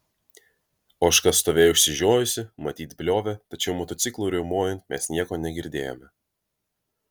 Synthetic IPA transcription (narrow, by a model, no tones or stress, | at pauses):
oːʃkɐst̪oːʋʲeːjɛʊʃʲsʲɪʒʲoːjʊsʲɪmɐt̪ʲiːt̪̚ʲbʲlʲoːʋʲɛt̪ɐt͡ʃʲɛʊmɔt̪ɔɪklˠuːɾʲɛmoːjɛnt̪mʲɛsnʲiɛkoːnʲɛɡʲɪɾʲd̪ʲeːjo̰mʲɛ